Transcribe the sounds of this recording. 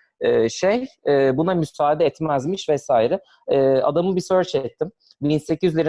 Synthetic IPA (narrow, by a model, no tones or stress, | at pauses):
ɛːʃejɛbunamysaːd̪ɛɛt̪mæzmiʃvɛsaːiɾɪ | ɛːa̰d̪amɯbisøɾt͡ʃɛt̪ʰːim | binse̞cʰyzlʲiɾ